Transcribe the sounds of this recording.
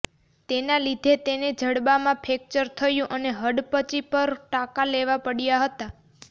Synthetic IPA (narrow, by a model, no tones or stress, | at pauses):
t̪enalid̪ʱet̪ened͡ʒəɽbamãpʰek̚t͡ʃəɾt̪ʰəjũʔəneɦəɖpət͡ʃipəɾʈakaleʋapəɽjaɦət̪a